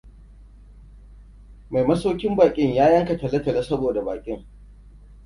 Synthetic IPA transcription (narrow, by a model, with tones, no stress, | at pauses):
ma˨jmɐ˦soː˦kʲɪ˦mbaː˨kʲʼɪ˦ɲjaː˦jɐ˦ŋkɐ˨tɐ˨lɐ˦tɐ˨lɐ˦sɐ˦boː˨da˨ba̰ː˨kʲʼɪ˦ŋ